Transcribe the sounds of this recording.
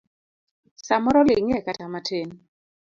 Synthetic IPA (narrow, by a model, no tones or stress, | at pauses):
samɔɾɔlɪŋɛkatamatʰen